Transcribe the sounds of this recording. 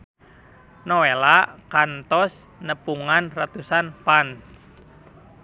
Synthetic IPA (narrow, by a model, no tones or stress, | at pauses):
nɔwelaʔkant̪ɔs | nəpuŋanrat̪usanpant